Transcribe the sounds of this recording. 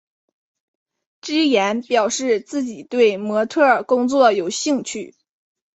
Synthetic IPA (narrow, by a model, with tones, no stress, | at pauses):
ʈ͡ʂɻ̩˥jɛ˧˥npjɑ˨˩ʊʂɻ̩˥˧t͡sɹ̩˥˩t͡ɕi˨˩t̪we˥˩ɪmwɔ˧˥t̪ʰɤ˥˩ə˞˨˩kʊ˥ŋt͡swɔ˥˨˩jo˨˩ʊɕi˥˧ŋt͡ɕʰy˥˩